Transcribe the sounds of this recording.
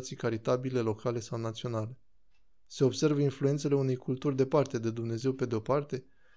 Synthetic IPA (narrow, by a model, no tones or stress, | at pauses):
t̪sijkaɾit̪abile̞lo̞kʰale̞sawnat̪sio̞nale̞ | se̞o̞bse̞rvəinflue̞nt̪se̞le̞une̞jkult̪urʲd̪e̞part̪e̞d̪e̞d̪umne̞ze̞wpe̞d̪eo̞part̪e̞